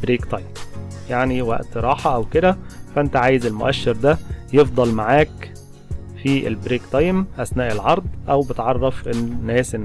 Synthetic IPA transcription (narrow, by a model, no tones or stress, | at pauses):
bɾiːkt̪ɑjm | jaʕniwæ̰ʔt̪ɾˤɑːħɑʔæwked̪æfæʔent̪æʕaːjezelmo̰ʔæʃːeɾd̪æjefd̪ˤɑlmaʕaːk | fiʔḛlbɾeːkt̪ɑjmʔæsnæːʔelʕɑɾˤd̪ˤʔæwbet̪ʕɑrˤːɑfennːæːsenː